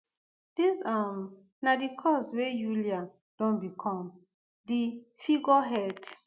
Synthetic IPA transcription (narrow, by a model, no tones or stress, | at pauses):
d̥isam | nadikʰɔswejulia | d̥ɔ̃nbikʰɔ̃m | difiɡɔɦɛd